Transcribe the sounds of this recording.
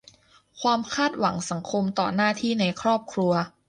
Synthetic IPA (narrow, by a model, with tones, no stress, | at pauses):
kʰwaː˧mkʰaː˥˩t̪̚wa˩˦ŋsa˩˦ŋkʰo˧mt̪ɔ̰ː˨˩naː˥˩t̪ʰiː˥˩na˧jkʰɾɔː˥˩p̚kʰɾu˧ɐ